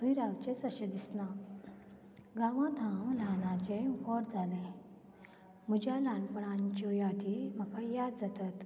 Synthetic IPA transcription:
jɾawt͡ɕesəɕəd̪isna | ɡaʋãd̪ʱamlanãt͡ɕẽʋɔɾd͡zʱalẽ | m̤ud͡ʑalanpɳaɲt͡ɕɔjat̪iməkajad͡zat̪at̪

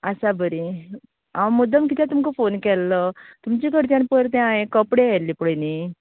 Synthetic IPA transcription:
asabəɾi | aməd̪əmkit̪jãt̪umkəfonkɛlːət̪umt͡ɕikəɾt̪jãnpəɾt̪ɛ̃ãɦekəpɽeɛlːipɭeni

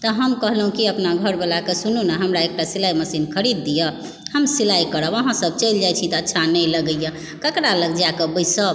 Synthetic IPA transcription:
t̪ɔɦəmkəɦlɦũkiəpnaɡʱəɾbelakesununɛɦəmɾaek̚ʈasilajməsinkʰəɾid̪ːijə | həmsilajkəɾəbəɦãsəb̚t͡ʃəjld͡ʒajt͡ʃʰit̪ɔːtːʃʰanəjləɡəjə | kəkɾaləɡd͡ʒakebəjsəb

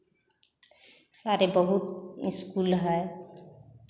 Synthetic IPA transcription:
saɾebəɦut̪iskulɦəe

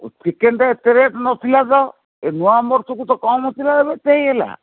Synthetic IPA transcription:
t͡ʃikenʈaet̪eɾet̪ɔnɔt̪ʰilad̪ɔ | enuwamɔɾt̪ʰukut̪ɔkɔmɔt̪ilad̪ebet̪ejela̰

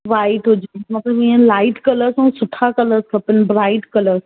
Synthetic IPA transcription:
ʋaːɪʈɦʊd͡ʑemɐt̪lɐbĩə̃laːɪʈkɐləɾsɐ̃ːsʊʈʰakɐləɾskʰɐpɪnbɾaːɪʈkɐləɾs

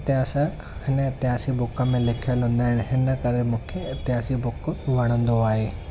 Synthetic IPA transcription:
ɪt̪ɪaːsə | hɪnəɪt̪ɪɦaːsibʊkə̆mẽlɪkʰijəlɦũːn̆d̪aːɦɪñɪɦɪnə̆kɐɾemũːkʰeɪt̪ɪɦaːsibʊkʋɐɽ̃ə̃nd̪oaːɦeː

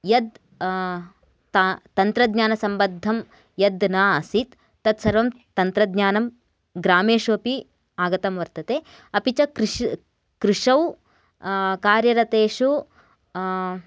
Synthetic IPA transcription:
jɐd̪ | t̪ɐnt̪ɾɐd̪ɲaːnɐsɐmbɐd̪ʱːɐm | jɐd̪naːɐsit̪ː | ɐt̪sɐɾʋɐm | t̪ɐnt̪ɾɐd̪ɲaːnɐm | ɡɾaːmeːʂuɐpi | aːɡɐt̪ɐmʋɐɾt̪ɐt̪eː | ɐpit͡ʃɐkɾ | kɾiʂɐw | kaːɾjɐɾɐt̪eːʂu

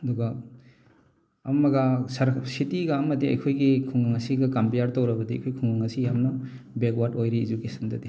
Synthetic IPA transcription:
ɐduɡɐ | ɐmɐɡɐsɐɾsitiɡɐɐmɐtiɐ̰jkʰojɡikʰuŋɡaŋɐsiɡɐkampijaɾtowɾɐbɐdiɐ̰jkʰojkʰuŋɡaŋɐsijamnɐ | bekwaɾtojɾiːd͡ʒukesɐndɐdi

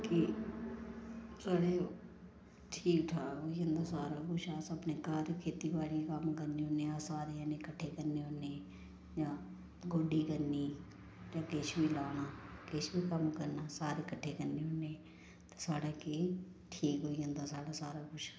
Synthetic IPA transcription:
ki | saːɽeː | ʈʰiːkʈʰaːɦoːiənd̪aːsaːɾaːkʊt͡ʃʰaːsəbnekaɾekʰeːt̪iːbaːlikəmkəɾniːɦoːneːaːsaːɾeanekəʈʰːeːkəɾneːɦoːneː | d͡ʒaː | ɡoːɖiːkəɾniː | d͡ʒaːkeːt͡ʃbʱiːlaːnaːkeːt͡ʃbiːkəmkəɾnaːsaːɾeːkəʈʰːeːkəɾneːɦoːneː | t̪osaːɽeːki | ʈʰiːkɦoːiənd̪asaːɽaːsaːɾaːkʊt͡ʃʰ

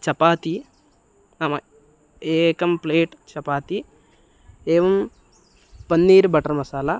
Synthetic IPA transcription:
t͡ʃɐpaːt̪i | aːmɐ | eːkɐmpleːʈt͡ʃɐpaːt̪i | eːʋɐm | pɐnːiːɾibɐʈɐɾmɐsaːla

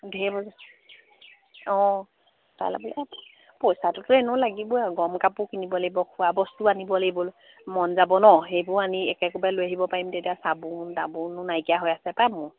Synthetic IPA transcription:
dʱebɔza | ɔ̃ | ta̰jla̰bɔlɛ | pɔjsatʊtʊɛnʊlaɡibɔaɡɔmkapʊkinibɔlebɔkʰuwabɔstuanibɔlebʊl | mɔnzabɔnɔɦejbʊɹaniɛkɛkɔbalojaɦibɔpaɹimtetijasabudabunʊnajkijaɦojasɛpamʊ

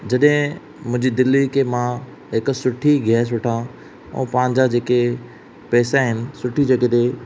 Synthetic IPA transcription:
d͡ʑɐɗɦɪ̃ | mʊ̃ɦɪ̃ɲd͡ʑid̪ɪlːikemã | ɦɪksʊʈʰiɡʱɛːs̬ʊʈʰã | ṵ̃ːpãːɪ̃ɲ̆d͡ʑad͡ʑeːke | pɛːsaɦɪnɪ̆sʊʈʰid͡ʑɐɡed̪e

